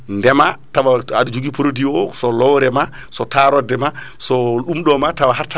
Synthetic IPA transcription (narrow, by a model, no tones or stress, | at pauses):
ndɛmatawaadud͡ʒuɡipɾodiɔsɔlɔwɾɛma | sɔtaɾɔdɛma | sɔɗumɗɔmatawaɦaɾtːa